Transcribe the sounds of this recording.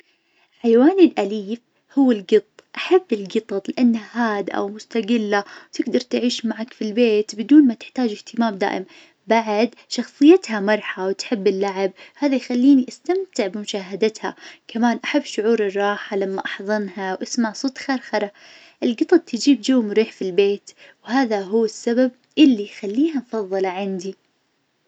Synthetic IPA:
ħajwaːnilʔaliːf | hʊwːɪlɡɨt̪ˤːʔaħabːɪlɡɨt̪ˤɑt̪ˤlɪʔanːahaːd̪ʔa̰wmʊst̪aɡɪlːawt̪ɪɡd̪ɑɾˤt̪ʕiːʃmaʕakfilbeːt̪bɪd̪uːnmat̪ɪ̥ħt̪aːd͡ʒɪht̪ɪmaːmd̪a̰ːʔɪm | baʕd̪ʃɑxsˤɨjːat̪hamɑɾˤħawt̪ħɪbːɪlːaʕɪb̚haːðajxalːiːniʔast̪amt̪ɪʕbɪmʊʃaːɦad̪at̪ha̰kamaːnʔaħabːʃʊʕuːɾɨrˤːɑːħalamːaʔɑħðˤɑnhawʔasmaʕsˤoːt̪xeːɾˤxɑɾˤɑ | ʔɪlɡɨt̪ˤɑb̪̚t̪ʰɪd͡ʒiːbd͡ʒawːmʊɾiːħfilbeːt̪whaːðaɦuwːɪsːabab̚ | ʔɪlːijxalːiːhamfɑðˤːɨlʕand̪i

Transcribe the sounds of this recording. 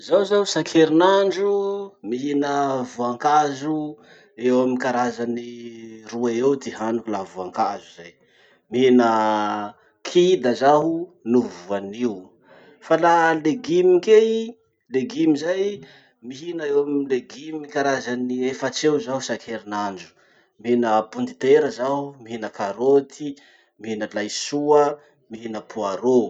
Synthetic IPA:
zawzaɦusakʰeɾinaɳɖ͡ʐumiɦinəvuaŋkazu | ewamikaɾazaniruaewt̪iɦanukulavuaŋkazuz̥aj | miɦinə | kʰid̪azaɦunuvuaniwu | falaleɡimike | leɡimizaj | miɦinaewamileɡimikaɾazaniefat͡seuzaɦusakʰeɾinand͡ʒu̥ | miinəpund̪it̪eɾəzaɦumiɦinəkaɾot̪ʰi | miɦinəlajsuə | miɦinəpuaɾo

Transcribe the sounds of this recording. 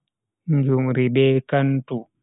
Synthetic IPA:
ɲd͡ʒumɾibɛːkantu

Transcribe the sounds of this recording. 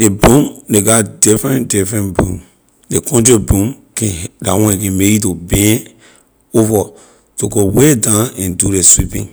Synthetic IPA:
debũmdeɡatdifɾɛ̃ndifɾɛ̃nbṵ̃m | dekʰɔ̃nd͡ʒobũmkɛ̃dawɔ̃kɛ̃meitobɛ̃ | ovɔ | toɡowedãnɛ̃nduɾeswipḭ̃n

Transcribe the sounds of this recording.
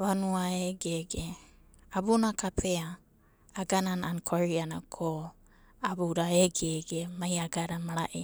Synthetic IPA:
βanuaeɡeɡe | abunakapʰeaː | ɡananaankʰoɾianakʰo | abuɾaeɡeɡemajaɡaɾamaɾaʔe

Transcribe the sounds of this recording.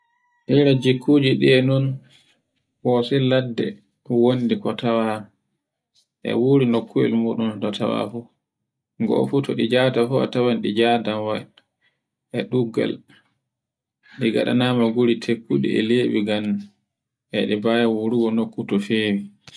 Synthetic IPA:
ʔiɾad͡ʒikʰːuːd͡ʒiɗiɛnɔn | wɔsɛladːɛ̰ | wondikɔtawa | ʔɛ̰wuɾinokːuɛ̰lmuɗundɔtʰa̰wa̰fu | ɡɔ̰futɔɗid͡ʒadafua̰tawanɗid͡ʒadanwa | ɛɗuɡa̰l | ɗiɡa̰ɗa̰namaɡuɾitʰekːuɗḭɛ̰leɓḭɡan | ʔɛɗɛbajawuɾuɡɔnokːutɔfeːwi

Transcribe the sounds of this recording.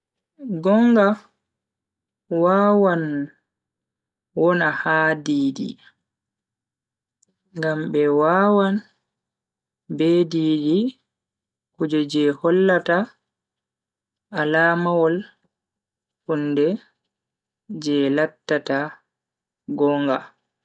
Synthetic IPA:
ɡɔŋɡa | waːwan | wɔnahaːdiːdḭ | ŋɡambɛwawan | beːdiːdi | kud͡ʒɔd͡ʒɛhɔlːata | alaːmawɔl | hundɛ | d͡ʒɛlatːata | ɡɔŋɡa

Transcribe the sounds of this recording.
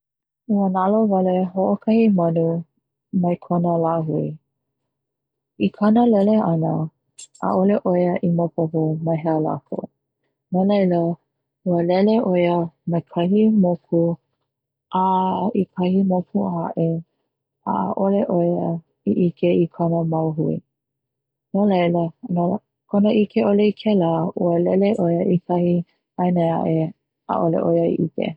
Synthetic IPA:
uənalovɐleɦoʔokʰɐhimɐnu | mɐjkʰonəlaɦui | ikʰɐnəlɛleʔɐnə | ʔa̰ʔoleʔojəʔimopoɦomɐɦeəla̰kʰo̰ | malejlə | uəlɛleʔojəmekʰɐɦimokʰu | ʔaikʰɐhimokuaʔe | a̰ːʔoleʔojə | iʔikʰeikʰonəmɐwɦuḭ | nolejləno | kʰonəʔikʰeoleikʰɛlaʔuəlɛleʔojəʔikʰɐhi | ajnea̰ʔe | a̰ʔolḛʔojəḭʔḭkḛ

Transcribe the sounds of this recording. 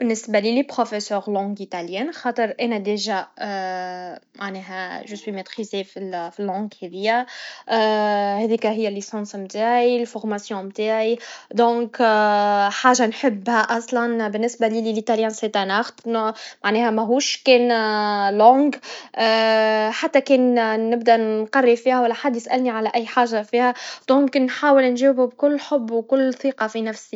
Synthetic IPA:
bɪnːɪsbalilipχofesœːʁlɑ̃ɡit̪aljɛːnxɑːt̪ˤəɾʔɛnæd̪eʒa | mʔaʕnɛːɦæʒəswimet̪χizefilfilːɑ̃ːɡhɛðɪjːæ | hɛðiːkæɦɪjːælːisɑ̃ːsmt̪aːʕilfɔʁmasjɔ̃mt̪aːʕid̪ɔ̃ːk | ħaːʒanħɪbːhæʔɑsˤlɑnbɪnːɪsbalililit̪aljanset̪anaxt̪nmaʕnɛːhæmæɦuːʃkɛːnlɔ̃ːɡ | ħat̪ːækɛːnːɪbd̪ænqɑrːˤifiːhæwælːæħad̪ːjɪsʔælniʕalæʔæjːħaːʒːafiːhæd̪̥ɔ̃knːħaːwɪlnʒɛːwbʊbkʊlːħʊbːwkʊlːθˤiːqɑfinæfsi

